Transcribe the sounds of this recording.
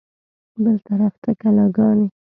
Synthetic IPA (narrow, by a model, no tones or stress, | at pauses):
bəlt̪aɾaft̪akalɑɡɑne